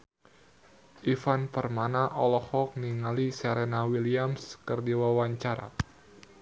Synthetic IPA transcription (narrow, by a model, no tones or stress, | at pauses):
ʔifanpərmanaʔɔlɔhɔk̚niŋalisɛɾɛnawiliamskərdiwawaɲt͡ʃaɾa̰